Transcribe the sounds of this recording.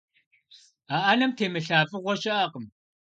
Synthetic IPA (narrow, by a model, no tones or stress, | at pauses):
aʔanɐmtʰeːmɨɬaːfʼɨʁʷɔʃɐʔaːqəm